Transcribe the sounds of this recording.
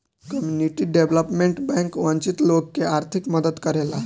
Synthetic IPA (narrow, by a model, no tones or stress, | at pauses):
kəmjuniʈiːɖeʋləpmeɳʈbɛ̃ŋkʋə̃ɲt͡ɕit̪lokːeaɾt̪ʰikməd̪ət̪kəɾela